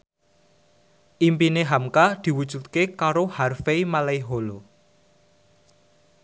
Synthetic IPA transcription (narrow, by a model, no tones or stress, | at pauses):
ʔimpineɦamkad̪̥i̤wud̥ʒ̥ṳt̪̚kekaɾoharfeimalaiɦolo